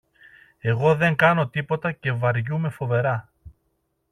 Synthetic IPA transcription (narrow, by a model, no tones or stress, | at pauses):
e̞ɣo̞ðe̞ŋɡɐno̞t̪ipo̞t̪ɐce̞vɐɾʝume̞fo̞ve̞ɾɐ